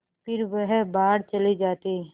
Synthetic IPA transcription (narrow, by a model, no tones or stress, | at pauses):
pɪɾʋɛɦbaːɽt͡ʃɐlid͡ʒaːt̪iː